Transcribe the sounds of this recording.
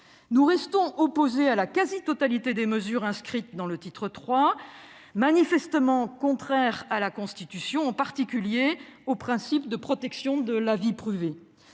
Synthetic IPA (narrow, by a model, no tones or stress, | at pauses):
nuʁɛst̪ɔ̃ʔɔpozealakazit̪ɔt̪alit̪ed̪eməzyʁɛ̃skχit̪̚d̪ɑ̃lət̪it̪χət̪χwa | manifɛst̪əmɑ̃kɔ̃t̪χɛʁalakɔ̃st̪it̪ysjɔ̃ɑ̃paʁt̪ikʲyljeopχɛ̃sipd̪əpχɔt̪ɛksjɔ̃d̪əlavipχyve